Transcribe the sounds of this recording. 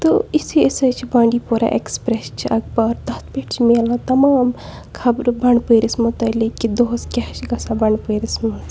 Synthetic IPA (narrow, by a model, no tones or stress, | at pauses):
t̪oisiisɐt͡ʃʰibãːɳɖipuɾa̰ʔekspɾest͡ʃʰiʔɐɡ̚baːɾd̪ɐt̪ʰpeʈt͡ʃʰimeːlat̪ɐmaːm | kʰɐbɾbɐɳɖpəɾismɐt̪ɐlekid̪oːskʲɛːʃɡɐsabɐɳɖpəːɾismɐs